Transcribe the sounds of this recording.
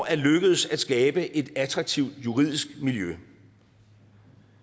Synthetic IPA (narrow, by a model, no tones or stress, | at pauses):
æɐløɡ̥əð̞̩ˠsæd̥sɡ̥ɛːb̥əʔe̝d̥æt͡sʰʁɑ̈ɡ̥̚t͡sʰiʊd̥juʁið̞̰ˠisɡ̥miljø